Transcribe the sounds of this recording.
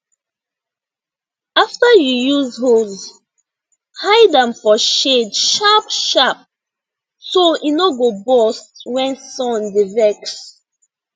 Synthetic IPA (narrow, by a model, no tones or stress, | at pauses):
aftajujuzɦo | haɪdãmfɔʃedʃapʃap̚ | soinɔɡobɔstwɛ̃nsɔ̃ndivɛks